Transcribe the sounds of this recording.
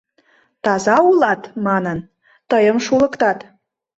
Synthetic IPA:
t̪ɑzɑulɑt̪mɑnən | t̪əjəmʃulˠə̆kt̪ɑt̪

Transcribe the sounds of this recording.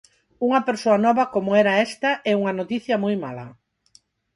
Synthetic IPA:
uŋɐpeɾsoɐnɔβɐkomʊɛɾɐɛst̪ɐʔɛuŋɐnot̪iθjɐmojmalɐ̰

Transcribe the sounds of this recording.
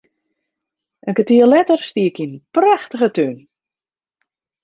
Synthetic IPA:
ʔənkətiəlɛtərstiəkinpraxtəɣətøn

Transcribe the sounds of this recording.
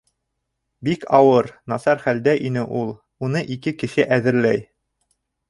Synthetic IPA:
bikʰɑwɤɾnɑsɑɾχæld̪æʔinɘʔulˠ | unɤʔikɘkɘ̆ʃɘʔæðɘ̆ɾlæj

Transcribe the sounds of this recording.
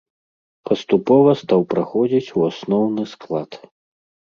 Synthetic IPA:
pɐst̪upɔvɐst̪awpɾaxɔd͡zʲit͡sʲuasnɔwnɨsklˠat̪

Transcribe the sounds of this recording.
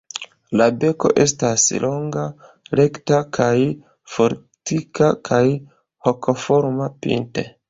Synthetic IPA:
labe̞ko̞̰ʔe̞staslo̞ŋɡa | le̞ktakʰaj | fo̞ɾ | tikakʰaj | ho̞kʰo̞fo̞ɾmapḭntḛ

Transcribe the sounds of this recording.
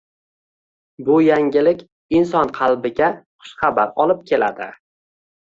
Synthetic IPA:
bʊjaŋʲɪlɪkʲ | ɪnsɒnqʰɑlˠbɪɡʲaqʰʊ̥ʃχɑbaɾɒlˠɪp̚kʲʰe̞la̰d̪ɪ̰

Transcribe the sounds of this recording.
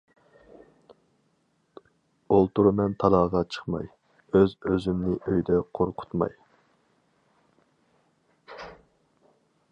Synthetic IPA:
olˠt̪uɾmɛnt̪ʰɑlˠɑːʁɑt͡ʃʰə̥χmɑ̰j | øzøzymnɪʔøjd̪ɛqʰoɾqʰʊ̥t̪mɑ̰j

